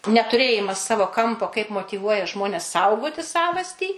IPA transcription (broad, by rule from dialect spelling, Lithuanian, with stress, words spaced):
nʲɛtʊˈrʲeːjɪmɐs ˈsɑːʋoː ˈkɐmpoː kɐɪp moːtʲiːˈʋuɔjɛ ˈʒmoːnʲɛs ˈsɐʊɡoːtʲɪ ˈsɑːʋɐsʲtʲiː